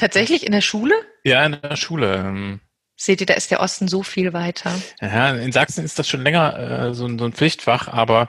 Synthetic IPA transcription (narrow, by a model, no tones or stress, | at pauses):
tʰaːtz̥ɛçlɪçɪndeːɐʃuːləjaːɪndeeːɐʃuːləʔɛːm | z̥eːtiːɐda̰ːʔɪstd̥eɐʔɔstn̩zoːfiːlvaɪtʰɐjaːɪnzaksn̩ɪst̚d̥asʃoːnlɛŋɐʔɛ̰ːzoːnzoːnp͡flɪçtfaχʔaːbɐ